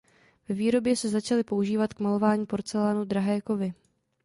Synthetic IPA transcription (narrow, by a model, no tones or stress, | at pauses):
vɛviːɾo̞bjɛsɛzat͡ʃalɪpo̞uʒiːvat̪kmalo̞vaːɲiːpo̞ɾt͡sɛlaːnud̪ɾaɦajko̞vɪ